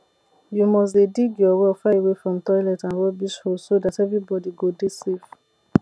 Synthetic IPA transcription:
jumɔs̬dediɡjɔwɛlfaewefɹɔ̃mtɔɪlɛtãnɹɛbiʃhosodatɛvɹibɔdiɡodesef

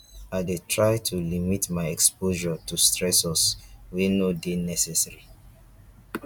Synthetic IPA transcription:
aɪdetʰɹaɪtʰulimitmaɪɛkspoʒɔtustɹɛsɔswinodenɛsɛsaɹi

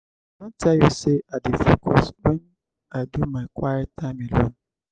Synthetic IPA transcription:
nãtʰajosɛadɪfukʰɔsbɛ̃n | adumãkʰʷaɪtʰamɪ̃lon

